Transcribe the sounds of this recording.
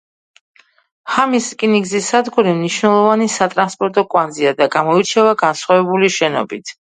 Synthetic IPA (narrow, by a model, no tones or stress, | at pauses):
hamiskʼiniɡzisad̪ɡuɾimniʃnɛlˠɔvanisat̪ʼɾanspʼɔɾt̪ʼɔkʼwand̪ziad̪aɡamɔit͡ʃʰɛvaɡansχwavɛbuliʃɛnɔ̰bit̪ʰ